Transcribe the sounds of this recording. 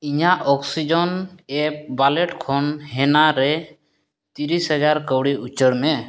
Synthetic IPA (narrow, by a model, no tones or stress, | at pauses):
iɲaʔɔksid͡ʒɔnɛp̚baleʈkʰɔnɦɛnaɾɛ | t̪iɾisɦɛd͡ʒaɾkəwɽiut͡ʃəɽmɛ